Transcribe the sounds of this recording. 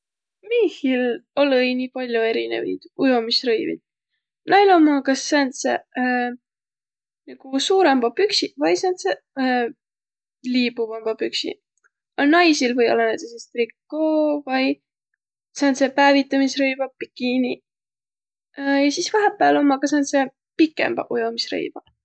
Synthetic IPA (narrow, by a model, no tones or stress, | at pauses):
mihilo̞lɤjnipɑlʲjoe̞ɾinḛvḭd̪̥ujomisrɤjvḭd̪̥̚ | nɑjlomːɑkɑsːænsḛ | niɡ̥usuːɾemb̥ɑpyksivɑjsænt̪se | liːbuvɑmb̥ɑpyksḭ | ɑlnɑjsilvɤjo̰lːɑnejt̪esest̪rikːoːvɑj | sɑnt̪sepæːvit̪ːˑɑmisrɤjvɑpikini | jɑsisvɑɦepːˑæːlo̞mːɑkɑsɑnse | pikːˑḛmb̥ɑ̰ʔujo̞misrɤ̰jv̥ɑ̥